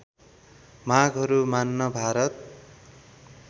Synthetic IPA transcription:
maɡɦʌɾumanːʌbʱaɾʌt̪̚

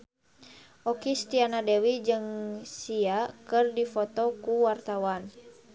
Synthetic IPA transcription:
ʔɔkist̪ianadɛwid͡ʒɨŋsiakɨrdifɔt̪ɔkuwart̪awan

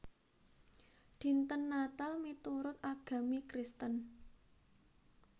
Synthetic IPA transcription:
d̪̥i̤nt̪ənːat̪almit̪uɾʊt̪̚aɡ̥ä̤mikɾist̪ən

